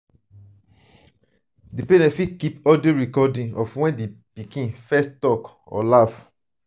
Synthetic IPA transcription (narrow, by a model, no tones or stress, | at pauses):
dipenɛ̃fikipɔdoɹikɔdĩŋɔfwɛ̃ndepikĩnfɛstɔk | ɔ̰laf